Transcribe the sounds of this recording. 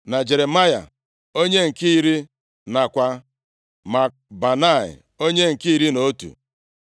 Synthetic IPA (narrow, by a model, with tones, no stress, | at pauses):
na˨d͡ʒe˨ɾe˨ma˦ja̰˨ | o˦ɲe˦ŋ̩˨ki˦ɾi˦ | na˨kʷa˦ | ma˨ | ba˨na˦˨ɪ̰˨ | o˦ɲe˦ŋ̩˨ki˦i˦ɾi˦no˦tṵ˨